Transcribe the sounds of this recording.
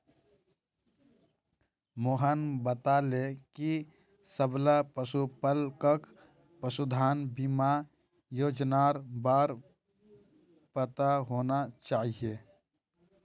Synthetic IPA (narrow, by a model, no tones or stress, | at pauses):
moːɦənbət̪aleki | səblapəsupəlkək | pəsud̪ʱaːnbima | joːd͡ʒnaːɾbaːɾ | pət̪aɦoːnat͡ʃaːɦie